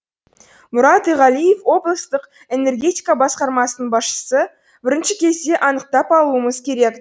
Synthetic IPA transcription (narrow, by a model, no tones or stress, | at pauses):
mʊɾɑt̪ijʁɑlˠijefwo̞blˠəst̪əq | e̞ne̞rɡʲe̞t̪ijkabɑsqɑɾmɑsənəɴbɑsʃə̥sə | bɪɾɪnʃɪkʲʰe̞zd̪e̞ʔɑnəq̚t̪ɑpɑlˠuəməzkʲʰe̞ɾe̞k